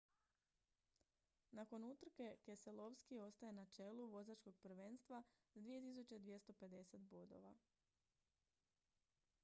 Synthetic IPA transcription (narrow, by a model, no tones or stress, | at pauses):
nako̞nut̪r̩ke̞keselo̞ʋskio̞st̪ajenat͡ʃe̞luʋo̞zat͡ʃko̞ɡ̚pr̩ʋeːnst̪ʋa | d̪ʋije̞t̪is̬ut͡ɕed̪ʋje̞st̪o̞pe̞d̪e̞se̞t̪bo̞d̪o̞̰ʋa